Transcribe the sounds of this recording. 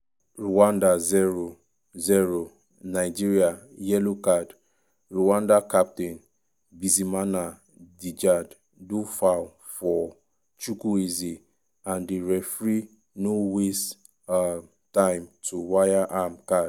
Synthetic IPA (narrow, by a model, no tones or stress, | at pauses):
ɹuwãndazɛɹo | zɛɹo | naɪd͡ʒiɹia | jɛlokad | ɹuwãndakap̚tĩn | bizimana | did͡ʒad | dufal | fɔ | t͡ʃukuizi | ãndiɹɛfɹi | nowes | tãɪ̃mtʰuwajaʔamkad